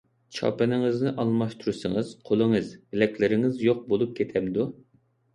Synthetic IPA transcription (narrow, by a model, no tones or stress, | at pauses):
t͡ʃʰɑ̰pɨnɪŋɨznɪʔɑlˠmɑʃt̪ʰuɾusɨŋɨz̥qʰolˠɨŋɨzbɪlɛkʲʰlɪɾɪŋɪzjoq̚bolˠup̚kʲʰet̪ʰɛmd̪u